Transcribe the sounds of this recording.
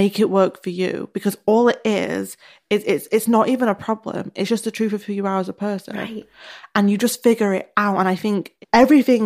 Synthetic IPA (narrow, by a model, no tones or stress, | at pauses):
meɪkɪʔwɜˑ˞kfə˞jʉ̰b̥ɨkʰʌzɔlˠɪɾɪ̰z̥ | ɪzɪtsɪtsnəɾiːvə̃nəpʰɹ̥ɑblə̰̃mɪ̰tsd̥ʒ̥ʌstðətʰɹ̥ʉfəv̥jəaə˞zəpʰɜˑ˞sə̰̃n | ə̃njɨd͡ʒʌstfɪɡjə˞ɪ̰ɾaʊtə̃ñaɪθɪ̃ŋkɛvɹiθɪ̃ŋ